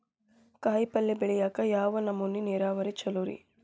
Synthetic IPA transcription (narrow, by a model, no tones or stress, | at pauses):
kaːjpɐlːebeɭɛjaːkɐjaːʋɐnɐmːunːineːɾaːʋɐɾit͡ʃɐloɾḭ